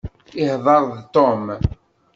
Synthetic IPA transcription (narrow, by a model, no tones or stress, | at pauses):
ɪhðˤɑɾˤðt̪ːom